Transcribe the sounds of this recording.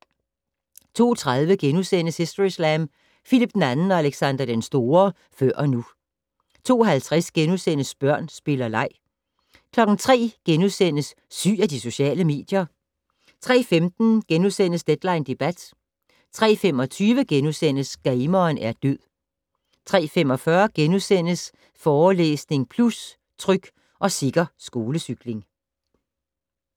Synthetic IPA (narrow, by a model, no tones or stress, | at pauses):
t͡sʰo̝̰ːt͡sʰʁað̞ˠʋəɡ̥enusen̰əshesd̥oʁislæm | filib̥̚d̥n̩ænn̩ɒ̽æleɡ̥sænd̥ɐd̥ensd̥o̝ːɐ | fɶɐ̰ʔɒ̽nu | t͡sʰo̝̰ːɦælt͡sʰʁɛsɡ̥enusen̰əsb̥ɶɐ̰nsb̥e̝lɐlɑ̈ɪ̰ | kʰlɒ̽ɡ̥n̩t͡sʰʁɛ̰ːɡ̥enuðˠsen̰əsː | y̰ːæd̥iso̝ɕɛ̰ːləme̝̰ːd̥jɐ | t͡sʰʁɛ̰ːfemd̥n̩ɡ̥enuðˠsen̰əsd̥ed̥lɑ̈ɪnd̥e̝b̥æd̥ | t͡sʰʁɛ̰ːfem̰ɒ̽t͡sʰyːʋəɡ̥enusen̰əsɡ̥ɛɪmɐːnæɐd̥øð̰ˠ | t͡sʰʁɛ̰ːfemɒ̽fɶɐɡ̥enuðˠsen̰əs | fɒːlḛːsne̝ŋpʰlus | t͡sʰʁœɡ̥ | ʔɒ̽siɡ̥ɐsɡ̥o̝ːləsyɡ̥le̝ŋ